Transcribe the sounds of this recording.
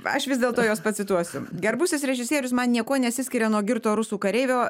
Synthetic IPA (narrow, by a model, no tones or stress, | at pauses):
ɐ̰ʃʋʲɪzdʲeːlˠt̪oːjoːspɐt̪ʲsʲɪt̪uɔsʲʊɡʲɛɾbʊsʲɪsɾʲɛʒʲɪsʲiɛɾʲʊsmɐnnʲiɛkuɔnʲɛɐt̪ʲsʲɪsʲkʲɪɾʲɛnuɔɡʲɪɾt̪oːɾʊsuːkɐɾʲɛɪʋʲoː